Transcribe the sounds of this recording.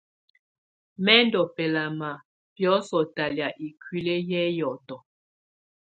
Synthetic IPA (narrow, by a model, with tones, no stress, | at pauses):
mɛ˦ndɔ˨pɛ˨la˨ma˨ | pjɔ˦sɔ˨ta˨lja˨ʔi˨kʰwi˦le˦jɛ˦jɔ˨tɔ˨